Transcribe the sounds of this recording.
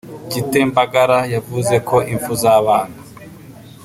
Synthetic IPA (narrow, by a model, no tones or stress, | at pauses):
ɟite̞mbaɡaɾajavuze̞kʰo̞ʔiɱvuzaːβaːna